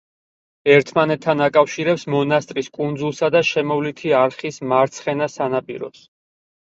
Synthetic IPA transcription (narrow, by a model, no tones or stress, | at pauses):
ɛɾt̪ʰmanɛt̪ʰːanakʼafʃiɾɛpsmɔnast̪ʼɾiskʼund̪zulˠsad̪aʃɛmɔvlit̪ʰiaɾχismaɾt̪sʰχɛnasanapʼḭɾɔ̰s